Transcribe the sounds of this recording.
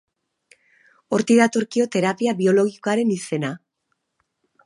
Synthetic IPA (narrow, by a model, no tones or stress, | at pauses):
o̞ɾt̪iðat̪o̞ɾkio̞t̪e̞ɾapiaβio̞lo̞ɣiko̞aɾe̞nise̞na